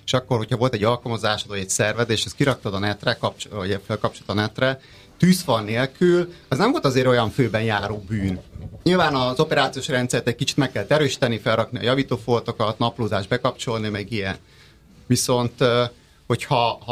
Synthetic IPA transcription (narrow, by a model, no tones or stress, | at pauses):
e̥ʃɒkːo̞rho̞cʰhɒvo̞lt̪ɛɟːɒlkɒmozaːʃɒd̪ojɛcʲsɛrvɛzeːʃɛskiɾɒk̚t̪od̪ɒnɛt̪rɛkɒpt͡ʃɟɛfɛlkɒpt͡ʃo̞lt̪ɒnɛt̪rɛ | t̪yːsfɒrneːlkylɛznɛɱvo̞lt̪ɒzeːɾo̞jɒɱføːbɛnjaːɾoːbyːnɲilvaːnɒzo̞pɛɾaːt̪sioːʃrɛnt̪sɛrt̪ɛc̚kit͡ʃi̥t̪mɛkːɛlt̪ɛɾøːʃi̥t̪ɛnifɛrːɒkniɒ̰jɒviːt̪oːfolt̪o̞kɒt̪nɒploːzaːʒbɛkɒp̚t͡ʃo̞lnimɛɡijɛn | viso̞nt̪ | ho̞chɒh